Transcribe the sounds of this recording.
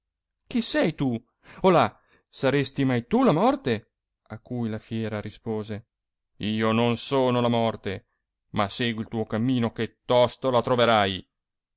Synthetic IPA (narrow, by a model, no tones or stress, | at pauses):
k̟isɛjt̪u | ola | saɾest̪imajt̪ulamɔrt̪e | akːujlafjɛːɾaɾispoːze | iːononsoːnolamɔrt̪e | maseːɡwilt̪uːokamːiːnoket̪ːɔst̪olat̪ɾoveɾaj